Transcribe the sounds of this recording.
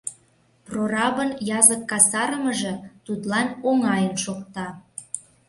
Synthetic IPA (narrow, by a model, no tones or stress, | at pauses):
prorɑβənjɑzəkːɑsɑɾə̆məʒɤ̆t̪ut̪lɑnoŋɑjənʃokt̪ɑ